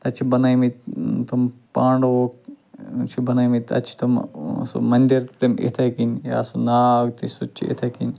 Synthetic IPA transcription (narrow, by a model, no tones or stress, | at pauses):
t̪ɐt͡ʃʰibɐnajmit̪t̪umpaːɳɖok | t͡ʃʰibɐnajmit̪ɐ̰t͡ʃʰi̥t̪ɐmsṵmɐnʲd̪iɾt̪ɐmḛt̪ʰɐkinja̰ːsunaːɡt̪isut͡ʃʰiḛt̪ʰɐkin